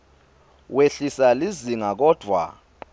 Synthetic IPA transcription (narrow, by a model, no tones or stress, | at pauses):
weɬisaliziŋak̬ɔd̥ʱwa̰